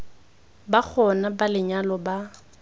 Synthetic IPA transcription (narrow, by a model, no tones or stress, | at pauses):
bak͡xʰɔnabalɪɲalɔba